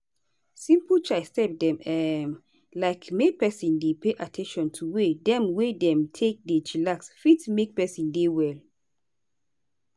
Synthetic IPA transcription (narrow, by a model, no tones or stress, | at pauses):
sĩmpət͡ʃaɪstɛp̚dɛ̃mɛm | laɪkmepɛsĩndepeʔatʰɛ̃nʃɔ̃ntʰuwedɛ̃mwedɛ̃mtʰek̚det͡ʃilaksfitmek̚pɛsĩndewɛl